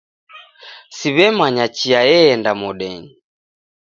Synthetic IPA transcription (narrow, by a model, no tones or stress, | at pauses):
siβɛmaɲat͡ʃiajɛːndamɔɗɛɲi